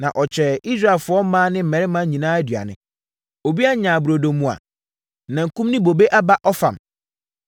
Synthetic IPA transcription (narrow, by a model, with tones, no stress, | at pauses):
nã̰˨ʔɔ˨t͡ɕʰᶣɛ˨i˦s̬ɾa˦˨ɛ˨lfʊ˨˦ɔ˦mãː˦nɪ̃˦m̩˨mɛ̃˨ɾɪ˦mã˦ɲĩ˨nãː˦æ˦dɥa̰˨nɪ̃˨ | o˨bi˦a˦ɲãː˨bu˨ɾo˨do˨mːũ˨a̰˨ | nã˨ŋ̩˨kũ˦mnɪ̃˦bo˨be˦ʔa˦ba˦ʔɔ˦fã̰˨m